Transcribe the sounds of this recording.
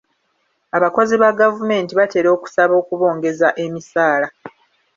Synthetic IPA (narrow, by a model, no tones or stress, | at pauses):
aβako̞ziβaɡavume̞ːntiβate̞ːɾo̞ːku̥saβo̞ːkuβo̞ːŋɡe̞zaʔe̞misaːla